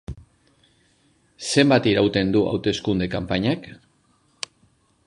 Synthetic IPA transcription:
se̞mbat̪iɾawt̪e̞nd̪uʔa̰wt̪e̞skund̪e̞kampaɲak

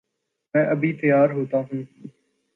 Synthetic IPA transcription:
mɛ̃ːʔəbʱiːt̪əjaːɾɦoːt̪aːɦũː

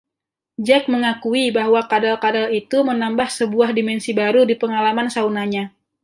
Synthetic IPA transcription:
d͡ʒɛk̚məŋakuibaɦwakadalkadalit̪umənambahsəbuahdimɛnsibaɾudipəŋalamansaunaɲa

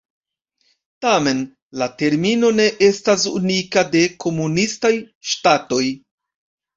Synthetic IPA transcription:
tame̞n | late̞ɾmino̞ne̞ʔe̞stasṵnikade̞kʰo̞munistaj | ʃtato̞j

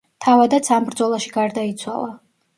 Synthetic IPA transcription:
t̪ʰavad̪at̪sʰambɾd̪zɔlˠaʃi̥ɡaɾd̪ait̪sʰwa̰lˠa

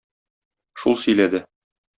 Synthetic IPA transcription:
ʃulˠsɵ̆jlæd̪ɘ

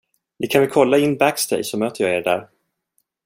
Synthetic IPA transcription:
d̪ɪkʰanvɪkʰɔlːaɪnːbækst̪ɛ̰jsɔmøːt̪əjɑːeːɾɖæ̰ːɾ

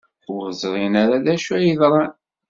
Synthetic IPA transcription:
ʊəzˤɾˤinaɾaðæʃuæjiðɾˤɑn

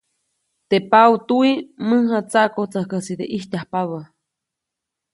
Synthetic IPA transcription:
t̪epawt̪uiməɦat͡saʔkot͡səhkəsid̪eʔihtʲahpaβə

